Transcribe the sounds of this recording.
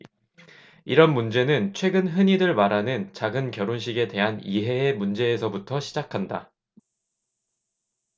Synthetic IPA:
iɾʌnmund͡ʑe̞nɯnt͡ɕʰwe̞ɡɯnɦɯɲiɾɯɭmaɾɦanɯnt͡ɕaɡɯnkjʌɾonɕ̬ʰiɡe̞de̞ɦaniɦe̞ːmund͡ʑe̞ːsʰʌbutʰʌɕʰid͡ʑakʰanda

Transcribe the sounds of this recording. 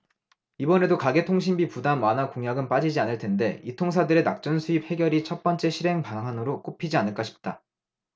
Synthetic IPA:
ibʌne̞dokaɡe̞tʰoŋɕ̬ʰimbipudanwanakoŋjaɡɯnp͈ad͡ʑid͡ʑianɯɭtʰe̞nde̞itʰoŋs̬ʰadɯɾe̞nak̚t͡ɕ͈ʌnsʰuip̚he̞ɡjʌɾit͡ɕʰʌt̚p͈ʌnt͡ɕ͈e̞ɕʰiɾɦe̞ŋpaŋɦanɯɾok͈opʰid͡ʑianɯɭk͈ʰʌɕʰi̥p̚t͈a

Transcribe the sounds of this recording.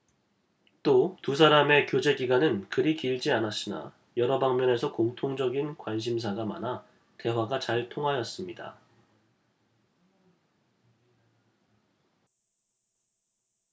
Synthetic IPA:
t͈otus̬ʰaɾame̞kjod͡ʑe̞ɡiɡwanɯnkɯɾikiɭd͡ʑianaɕ͈ina̰ | jʌɾʌbaŋmjʌne̞sʰʌkoŋtʰoŋd͡ʑʌɡinkwanɕ̬ʰims̬ʰaɡama̰na | te̞waɡat͡ɕaɭtʰoŋɦajʌs͈ɯmɲida̰

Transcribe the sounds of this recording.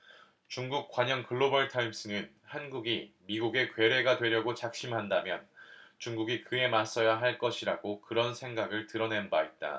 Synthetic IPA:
t͡ɕuŋɡuk̚k͈waɲʌŋkɯɭːobaɭtʰaims͈ʰɯnɯn | hanɡuɡimiɡuɡe̞kwe̞ɾe̞ɡadwe̞ɾjʌɡot͡ɕak̚ɕ͈imɦandamjʌnt͡ɕuŋɡuɡikɯe̞mas͈ʌjaɦaɭk͈ʌɕʰiɾaɡokɯɾʌnsʰe̞ŋɡaɡɯɭtɯɾʌne̞nbaet̚t͈a̰

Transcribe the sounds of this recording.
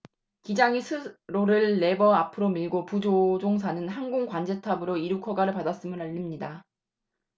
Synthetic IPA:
kid͡ʑaŋisʰɯɾoɾɯɭːe̞bʌapʰɯɾomiɭɡopud͡ʑod͡ʑoŋs̬ʰanɯnhanɡoŋkwand͡ʑe̞tʰabɯɾoiɾukʰʌɡaɾɯɭpadas͈ɯmɯnaʎːimɲida

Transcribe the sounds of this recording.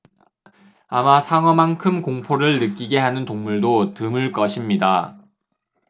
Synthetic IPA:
amasʰaŋʌmankʰɯmkoŋpʰoɾɯɭnɯk͈iɡe̞ɦanɯntoŋmuɭdotɯmɯɭk͈ʌɕʰimɲida

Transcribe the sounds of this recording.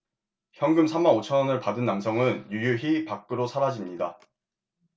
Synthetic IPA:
çjʌŋɡɯmsʰamːanot͡ɕʰʌnʌnɯɭpadɯnːamsʰʌŋɯnjujuçipak͈ɯɾosʰaɾad͡ʑimɲida

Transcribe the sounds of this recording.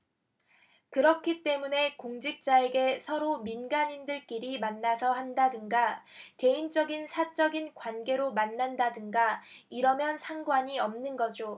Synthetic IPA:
kɯɾʌkʰit͈e̞mune̞koŋd͡ʑik̚t͡ɕ͈ae̞ɡe̞sʰʌɾominɡaɲindɯɭk͈iɾimanːasʰʌhandadɯŋɡake̞int͡ɕ͈ʌɡinsʰat͡ɕ͈ʌɡinkwanɡe̞ɾomanːandadɯŋɡaiɾʌmjʌnsʰaŋɡwaɲiʌmnɯnɡʌd͡ʑo

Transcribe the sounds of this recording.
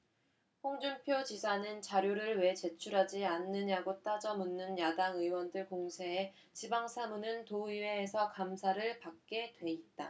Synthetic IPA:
ɸoŋd͡ʑumpʰjot͡ɕisʰanɯnt͡ɕaɾjoɾɯɭwe̞t͡ɕe̞t͡ɕʰuɾɦad͡ʑianːɯɲaɡot͈ad͡ʑʌmunːɯnjadaŋɯwʌndɯɭkoŋsʰeː | t͡ɕibaŋsʰamunɯntoiwe̞ːsʰʌkamsʰaɾɯɭpak̚k͈e̞dwe̞it̚t͈a̰

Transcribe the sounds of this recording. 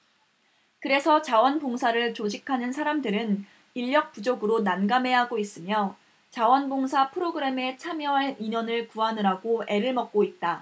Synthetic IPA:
kɯɾe̞sʰʌt͡ɕawʌnboŋsʰaɾɯɭt͡ɕod͡ʑikʰanɯnsʰaɾamdɯɾɯn | iʎːʌk̚p͈ud͡ʑoɡɯɾonanɡame̞ɦaɡois͈ɯmjʌ | t͡ɕawʌnboŋsʰapʰɯɾoɡɯɾe̞me̞t͡ɕʰamjʌwaiɲʌnɯɭkuɦanɯɾaɡoe̞ɾɯɭmʌk̚k͈oit̚t͈a

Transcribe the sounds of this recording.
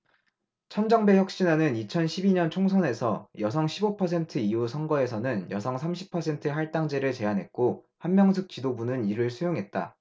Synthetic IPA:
t͡ɕʰʌnd͡ʑʌŋbe̞çjʌk̚ɕ͈inanɯnit͡ɕʰʌnɕʰibiɲʌnt͡ɕʰoŋsʰʌne̞sʰʌjʌsʰʌŋɕʰibopʰʌs̬ʰe̞ntʰɯiusʰʌŋɡʌe̞sʰʌnɯnjʌsʰʌŋsʰamɕʰi̥pʰʌsʰe̞ntʰɯɦaɭt͈aŋd͡ʑe̞ɾɯɭt͡ɕe̞anɦe̞t̚k͈o | hanmjʌŋsʰɯk̚t͡ɕ͈idobunɯniɾɯɭsʰujoŋɦe̞t̚t͈a̰

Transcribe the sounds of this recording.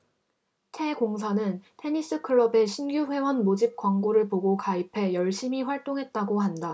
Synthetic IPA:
tʰe̞ɡoŋs̬ʰanɯntʰe̞ɲis͈ɯkʰɯɭːʌbe̞ɕʰinɡjuɸwe̞wʌnmod͡ʑip̚k͈waŋɡoɾɯɭpoɡokaipʰe̞jʌɭɕ͈ʰimiɸwaɭt͈oŋɦe̞t̚t͈aɡohanda

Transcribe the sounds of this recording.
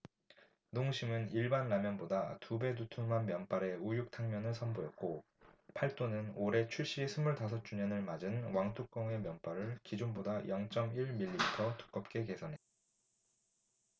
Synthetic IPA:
noŋɕʰimɯniɭbanːamjʌnbodatube̞dutʰuŋmanmjʌnp͈aɾe̞ujuk̚tʰaŋmjʌnɯɭsʰʌnboet̚k͈o | pʰaɭt͈onɯnoɾe̞t͡ɕʰuɭɕ͈isʰɯmːuɭtasʰʌt̚t͡ɕ͈uɲʌnɯɭmad͡ʑɯnwaŋtʰuk̚k͈ʌŋe̞mjʌnp͈aɾɯɭkid͡ʑonbodajʌŋt͡ɕ͈ʌmiɭmiʎːiitʰʌtʰu̥k͈ʌp̚k͈e̞ke̞sʰʌnɦe̞t̚t͈a

